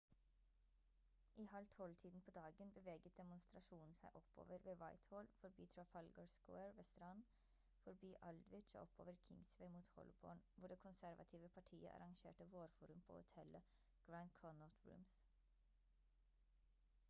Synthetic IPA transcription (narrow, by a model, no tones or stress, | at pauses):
ʔiːhɑlt̪ʰɔlt̪ʰiːd̪n̩pʰoːd̪ɑːɡənbəʋeːɡət̪̚d̪ɛmʊnst̪ɾɑʃuːnn̩sæɪʔɔpːo̰ːʋəɾʋeːʋɑɪt̪hoːlfɔɾbiːt̪ʰɾɹɑfɑlɡəɹskɛːɹʋeːst̪ɾɑn | fɔɾbiːʔɑld̪ʋɪt͡ʃːɔpo̰ːʋəɾkʰɪŋsʋeɪmuːt̪hɔ̰lɪbo̰ːɳʋʊɖeːkʰʊnsæɾʋɑ̰t̪ʰiːʋəpʰɑʈʰiːə̰ʔɑ̰ɾɑŋʃḛːʈəʋoːɾfuːɾʉmpʰo̰ːʊ̰t̪ʰɛlə | ɡ̥ɹɑnkʰɔnɔt̪ʰɹʉ̰ːms